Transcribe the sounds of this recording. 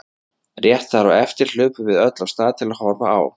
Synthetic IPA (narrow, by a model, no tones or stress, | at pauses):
rjɛht̪θaɾɔwɛft̪ɪɾ̥l̥ʏːpʏvɪðœt̪lawst̪aːðt̪ʰɪlaðhɔɾva̰a̰w